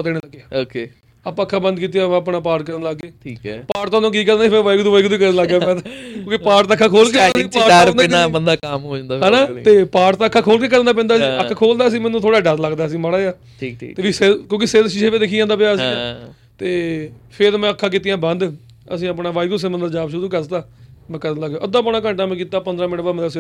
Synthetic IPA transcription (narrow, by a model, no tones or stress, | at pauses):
ət̪eːneːləɡjaːokeː | apãːəkʰːãːbə̃nd̪k̬iːt̪̬ijãːãːəpnaːpaːʈkəɾnləɡːeːʈʰiːkpaːʈt̪ãːt̪õːk̬iːkəɾndaiːpʰɪɾʋaːikd̪uːʋaːikd̪iːkəɾnːləɡaːpɛ̃ːkjõːkipaːɾt̪aəkʰːaːkʰoːlkepaːɾɾaaːbənd̪aːkamɦoːd͡ʒãnd̪aːɦaːnaːt̪eːpaːɾt̪ãːkʰːaːkʰoːlkeːk̬əɾnd̪aːp̬ɛ̃ːnd̪aːsĩːəːaːkʰoːld̪aːəsĩːmɛːnũːt̪ʰoːɽaːɖəɾləɡd̪aːəsĩːmaɽaːja̰ː | eːʋiːsekjõːkɪsedʃid͡ʒẽːʋẽːd̪ekʰiːd͡ʒãːnd̪aːpejaːəsĩː | t̪eːpʰɪɾmɛ̃ːəkʰːãːk̬it̪ijãːbə̃nd̪ | ə̰s̬ĩːəpɳaːʋaːiɡus̬emənd̪əd͡ʒaːbʃʊɾuːkəɾt̪aː | mɛ̃kəɾənləɡãːʔəd̪ãːpːnaːkə̃ɳʈãːmɛ̃ːkiːt̪aːpənd̪ɾaːmɪnʋaːmɛ̃d̪as